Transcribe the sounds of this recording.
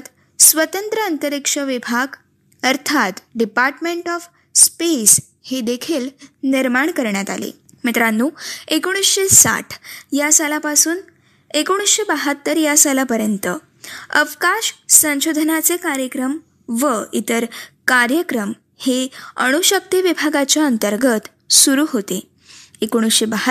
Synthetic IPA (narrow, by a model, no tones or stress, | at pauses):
t̪ | sʋət̪ənt̪ɾəənt̪əɾikʂəʋibʱaɡ | əɾt̪ʰat̪ɖipaɾʈmeɳʈɔf | spes | hed̪ekʰiːlniɾmaɳkəɾɳjat̪a̰lḛ | mit̪ɾanːuːekoɽ̃isɕesa̰ʈʰjasalapasuːn | ekoɽ̃isɕebaɦət̪ːəɾjasalapəɾjənt̪ə | əʋkaɕsə̃ɕod̪ʱənat͡sekaɾjəkɾəm | ʋəit̪əɾkaɾjəkɾəm | heəɽ̃uɕək̚t̪iʋibʱaɡat͡ɕjaənt̪əɾɡət̪ | suɾuːɦot̪e | ekoɽ̃isɕebəɦə